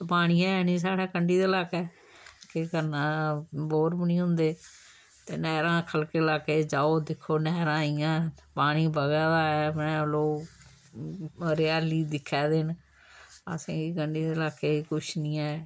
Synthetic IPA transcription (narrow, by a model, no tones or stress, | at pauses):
paːɽ̃ĩːɛ̃ːɛːniːs̬aːɽaːkəɳɖiːd̪eːlaːkɛː | kɪkəɾnãːboːɾbənĩːɦʊ̃nd̪eː | t̪eːnɛːɾãːkʰəlkeːlaːkeːd͡ʒaːoːd̪ɪkʰːoːnɛːɾãːijãːpaːɽ̃iːbəɡɛːd̪aːɛːmɛ̃ːloː | ɾɪjaːliːd̪ɪkʰːɛːd̪eːn | ə̰sẽːiːkəɳɖiːd̪eːlaːkeːikʊʃnĩːɛː